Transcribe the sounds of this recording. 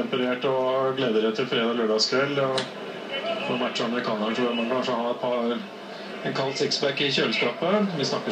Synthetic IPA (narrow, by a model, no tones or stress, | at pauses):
ɛmpəneːʈɔɡleːd̪əɾɛt̪ʰɪlfɾeːd̪ɑløːɖɑɡskʰʋɛlːɔ | fɔmæʈːɑməɾɪkʰɑːnəɾət̪ʰɾuːəmɑnkʰɑnʂəhɑːɛt̪̚pʰɑ | ɛnkʰɑlt̪sɪksbæɾkːɪçøːləskɑːpəʋɪsnɑkːə